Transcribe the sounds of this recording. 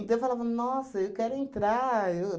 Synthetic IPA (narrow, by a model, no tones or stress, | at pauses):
t̪ɐ̃ewfalavɐnɔsɐewkɛɾʊẽnt̪ɾaew